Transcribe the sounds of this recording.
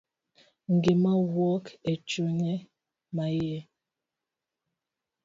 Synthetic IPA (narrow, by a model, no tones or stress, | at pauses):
ŋ̩ɡemawwɔket͡ʃoɲɛ | majɛ